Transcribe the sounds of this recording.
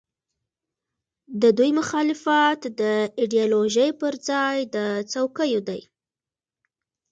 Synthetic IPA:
d̪əd̪ujmʊxɑlɪfɑt̪d̪əiɖijɑloʒəjpəɾd͡zɑjd̪ət͡sawkəjod̪aj

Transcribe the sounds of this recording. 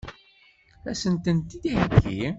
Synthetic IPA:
æsənt̪ənt̪id̪ihəɡḭ

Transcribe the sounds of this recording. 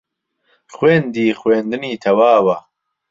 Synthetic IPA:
χweːnd̪iːxweːnd̪ɨniːt̪ʰɐwaːwɐ

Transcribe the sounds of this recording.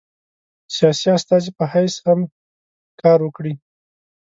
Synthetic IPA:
sijɑsiast̪ɑzipəhajsham | kɑɾwəkɽi

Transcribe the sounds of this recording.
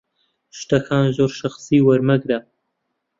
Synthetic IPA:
ʃt̪ɐkʰaːnzoːɾʃɐxsiːwɐɾmɐɡɾa

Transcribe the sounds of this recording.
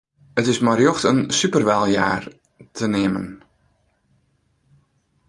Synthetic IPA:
ətɪsmarjɔxtənsypərʋɛlˠja̰ːr | tʰənɪəmə̰n

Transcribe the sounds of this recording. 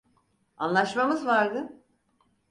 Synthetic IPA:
a̰nlˠaʃmamɯzvaɾd̪ɯ

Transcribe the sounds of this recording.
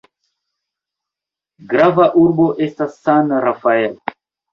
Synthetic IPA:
ɡɾavaʔuɾboʔest̪asanɾafael

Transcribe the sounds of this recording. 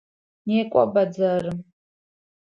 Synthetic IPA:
neːkʷʼa̰bad͡zarɨm

